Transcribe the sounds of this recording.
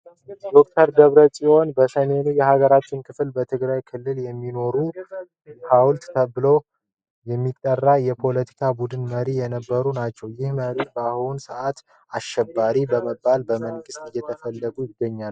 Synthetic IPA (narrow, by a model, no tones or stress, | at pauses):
d̪o̞k̚t̪ʰəɾd̪əβɾət͡ʃʼiʔo̞nbəsəme̞nujɛhaɡəɾat͡ʃːɪnkʰɨflbət̪ʰɨɡɾajkʰɨlːɨljɛmːino̞ɾu | hawlt̪t̪ʰəbɨlo̞ | jɛmːit̪ʼːərːajɛpʰo̞lət̪ʰi̥kʰabud̪ɨnməɾijɛnəbːəɾunat͡ʃːɛwjɪhməɾibəahunsɨʔat̪ | aʃɛbːaɾibəməbːalbəməŋɡɨst̪ʼɨjːɛt̪ʰəfəlːəɡujɪɡːəɲːal